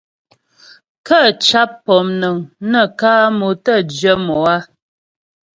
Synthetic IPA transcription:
kə˦˨t͡ʃa˦pːɔ˨mnə˨ŋnə˨kaː˦mo˨tə˦d͡ʒə˦mɔ˨a˦

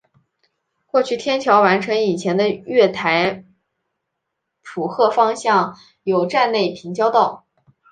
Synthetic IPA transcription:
xwɔ˥˩t͡ɕʰy˨˩t̪ʰjɛ˥nt͡ɕʰjɑ˧˥ʊwa˧˥nʈ͡ʂʰɤ˧˥ŋi˨˩t͡ɕʰjɛ˧˥nd̪ə˧ɥɛ˥˩t̪ʰa˧˥ɪ | pʰu˨˩xɤ˥˩fɑ˥ŋɕjɑ˥˩ŋ | jo˧˩ʊʈ͡ʂa˥˧nle˥˩ɪpʰi˧˥ŋt͡ɕjɑ˥ʊt̪ɑ˥˩ʊ

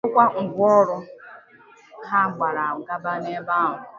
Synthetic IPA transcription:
ʊ˦kʷa˦ŋ̩˨ɡʷʊ˦ɔ˦ɾʊ˦ | ha˦˨ɡ͡ba˨ɾa˨ʊ˨ɡa˦ba˦ne˦ba˦˨ɦʊ˨

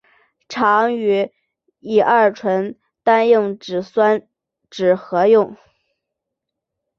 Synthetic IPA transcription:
ʈ͡ʂʰɑ˧˥ŋy˧˥ | i˨˩ʔɐ˞˥˩ɻʈ͡ʂʰwə˧˥n | t̪a˥njʊ˥˩ŋʈ͡ʂɻ̩˨˩swa˥n | ʈ͡ʂɻ̩˨˩xɤ˧˥jʊ˥˩ŋ

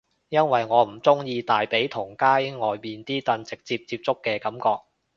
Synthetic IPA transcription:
jɐ˥nwɐ˨jŋɔː˨˧m̩˨˩t͡sʊ˥ŋjiː˧t̪aː˨jpe˨˥jt̪ʰʊ˨˩ŋkaː˥jŋɔː˨jmiː˨nt̪iː˥t̪ɐ˧nt͡sɪ˨k̚t͡siː˧p̚t͡siː˧p̚t͡sʊ˥kːɛː˧kɐ˨˥mkɔː˧k̚

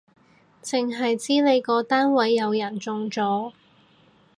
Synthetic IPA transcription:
t͡sɪ˨˩ŋɦɐ˨jt͡siː˥ne˨˧jkɔː˨˧t̪aː˥nwɐ˨˥jːɐ˨˧wjɐ˨˩nt͡sʊ˧ŋt͡sɔː˨˥

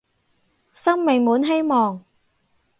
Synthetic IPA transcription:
sɐ˥ŋmɪ˨˩ŋmuː˨˥nɦe˥jmɔː˨ŋ

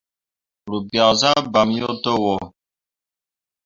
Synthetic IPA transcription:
lu˨bja˨za˦ba˨mjo˦to˦wɔ˨

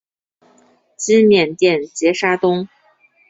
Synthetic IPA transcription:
t͡ɕi˥mjɛ˥˨˩nt̪jɛ˥˩nt͡ɕjɛ˧˥ʂa˥t̪ʊ˥ŋ

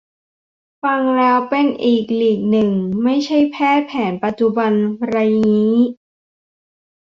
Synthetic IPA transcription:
fa˧ŋlɛː˦˥wpe˧nʔiː˨˩k̚liː˨˩k̚nɯ˨˩ŋma˥˩jt͡ɕʰa˥˩jpʰɛː˥˩pʰɛː˩˦npa˨˩t̪̚t͡ɕu˨˧ba˧nɾa˧jniː˦˥

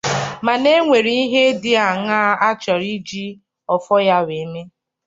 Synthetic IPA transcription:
ma˨ne˦ŋʷe˨ɾi˨˦i˦ɦe˦dɪ˦a˨ŋa˦a˦t͡ʃa˨ɾi˦d͡ʒi˦ | ɔ˨fɔ˦ja˦ɾe˨˦me˦

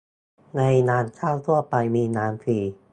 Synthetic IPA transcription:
na˧jnaː˧nt͡ɕʰaː˥˩wt̪ʰu˥˩ɐpa˧jmiː˧naː˦˥nsiː˨˩

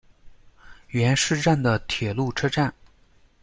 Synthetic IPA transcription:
ɥɛ˧˥nʂɻ̩˥˧ʈ͡ʂa˥˩nd̪ə˩t̪ʰjɛ˨˩lu˥˩ʈ͡ʂʰɤ˥ʈ͡ʂa˥˩n

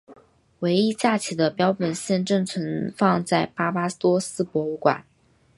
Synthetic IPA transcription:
we˧˥ɪi˥t͡ɕja˥˩t͡ɕʰi˨˩d̪ə˦pjɑ˥ʊpə˨˩nɕjɛ˥˧nʈ͡ʂɤ˥˩ŋt͡sʰwə˧˥nfɑ˥˧ŋt͡sa˥˩ɪpa˥pa˥t̪wɔ˥sɹ̩˥pwɔ˧˥u˧˥kwa̰˨˩˦n

